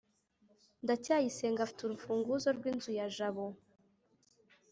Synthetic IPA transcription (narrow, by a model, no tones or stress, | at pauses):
ndacaːjise̞ŋɡafi̥tuɾufuːŋɡuzo̞ɾɡwiːnzujaʒaβo